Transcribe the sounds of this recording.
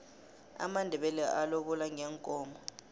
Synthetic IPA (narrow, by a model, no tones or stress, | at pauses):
a̰mandʱɛɓɛlɛʔaloɓulaŋʱɛŋkʼɔːmbɔ